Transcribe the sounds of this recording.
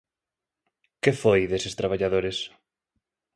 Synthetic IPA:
kefojðesɪst̪ɾaβ̞aʎaðoɾɪs

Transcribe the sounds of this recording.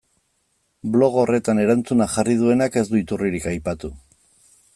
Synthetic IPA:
blo̞ɣ̞o̞ːre̞t̪ane̞ɾant͡sunaxarið̞ue̞nake̞zd̪uit̪uriɾikajpat̪u

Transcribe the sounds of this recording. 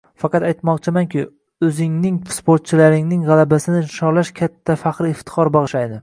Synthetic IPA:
fɑqɑt̪ajt̪mɒq̚t͡ʃʰɪmaŋkʲɪ | ɵzɪŋnɪŋspoɾt̪̚t͡ʃʰɪlaɾɪŋnɪŋʁɑlˠabasɪnɪʃɒɾlaʃkʲʰat̪ʰːafaqɾɪft̪ʰɪ̥χɒɾbɑʁɨʃajd̪ɪ

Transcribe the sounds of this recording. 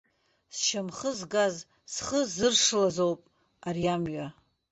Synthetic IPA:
sʃamχəzɡaz | sχəzɨrʂɨlazowpʼ | arjamɥa

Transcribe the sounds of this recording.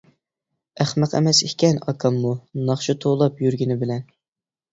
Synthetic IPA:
æχmæqʰɛ̰mɛsikʲɛnɑ̰kʰɑmːunɑχʃut̪ʰolˠɑpjyɾɡʲinɪbɪlɛn

